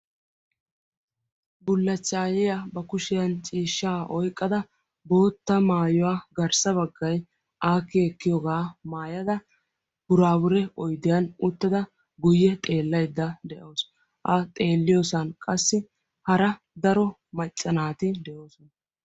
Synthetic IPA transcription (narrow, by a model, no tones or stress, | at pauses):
bʊlːɐt͡ʃʼːaːjɛjabɐkʊʃɪjɐnt͡ʃʼiːʃːaːʔɔjkʼːɐd̪ɐ | bo̞ːt̪ːɐmaːjʊwaːɡɐɾsɐbɐɡːɐj | ʔaːkːɪɛkːɪjɔɡaːmaːjɐd̪ɐ | b̥ʊɾaːbʊɾɛɔjd̪ɪjɐnʊt̪ːɐd̪ɐ | ɡʊjːɛt̪ʼe̞ːlːɐjd̪ːɐd̪ɛʔoːs | ʔɐt̪ʼe̞ːlːɪjoːsɐnkʼɐsːɪ | hɐɾɐ | d̪ɐɾɔ | mɐt͡ʃʼːɐnaːt̪ɪd̪ɛʔo̞ːsɔnɐ